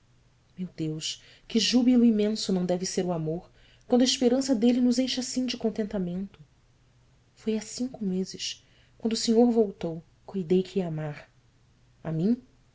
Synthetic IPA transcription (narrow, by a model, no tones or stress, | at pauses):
mewd̪ewʃ | kɪʒubilʊimẽsʊnɐ̃w̃d̪ɛvɪseɾʊamoɾ | kwɐ̃nd̪ʊɐiʃpeɾɐ̃sɐd̪elɪnʊzejʃasĩd͡ʒɪkõnt̪ẽnt̪amẽnt̪ʊ | fojasĩŋkʊmezɪʃ | kwɐ̃nd̪ʊseɲoɾvowt̪ow | kujd̪ejkʰɪiamaɾ | a̰mĩ